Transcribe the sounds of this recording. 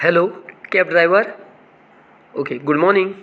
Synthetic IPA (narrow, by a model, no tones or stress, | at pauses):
hɛloːkɛːp̚ɖɾaːɪʋəɾ | oːkeɡʊɖmɔːɾnɪ̃ŋɡ